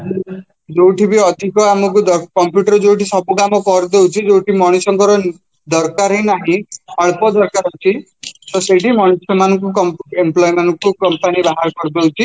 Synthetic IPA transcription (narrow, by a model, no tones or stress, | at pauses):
d͡ʒowʈʰibiɔd̪ʱikɔamukud̪ɔkɔmpjuʈɔɾɔd͡ʒowʈisɔbukamɔkɔɾd̪ewt͡ʃʰid͡ʒowʈimɔɽ̃isɔŋkɔɾɔ | d̪ɔɾkaɾɦẽnaɦĩɔɭpɔd̪ɔɾkaɾɔt͡ʃʰi | sɔseʈimɔɽ̃isɔmanɔ̃ŋkukɔmemplɔjmanɔŋkukɔmpanibaɦaɾɔkɔɾd̪ewt͡ʃʰi